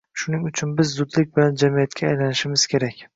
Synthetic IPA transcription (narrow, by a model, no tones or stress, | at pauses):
ʃʊnɪŋʊt͡ʃʰʊnbɪzːʊd̪lɪk̚ʲbɪland͡ʒamijat̪kʲʰaːjlanɪʃɪmɪz̥kʲʰe̞ɾakʲ